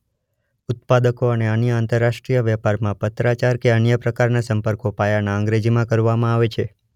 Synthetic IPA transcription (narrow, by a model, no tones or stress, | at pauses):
ʊt̪̚pad̪əkoəneənjəant̪əɾːaʃʈɾijəʋjɛpaɾmãpət̪ɾat͡ʃaɾkeənjəpɾəkaɾnasəmpəɾkopajanaə̃ŋɡɾed͡ʒimãkəɾʋamãaʋet͡ʃʰe